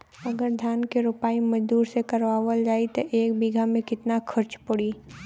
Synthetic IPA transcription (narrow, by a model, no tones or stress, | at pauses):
ɐɡəɾd̪ʱjaːnkeɾʊpaːimɐd͡ʒd̪uːɾsekɐɾʋaːʋəld͡ʒaːit̪oʔeːk̚biɡʱamẽkɪt̪nakʰɐɾt͡ʃpʊɽiː